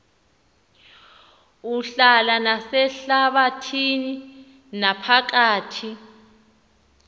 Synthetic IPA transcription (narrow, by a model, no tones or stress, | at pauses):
uɬalanasɛɬaɓatʰini | napʰak̬aːtʰi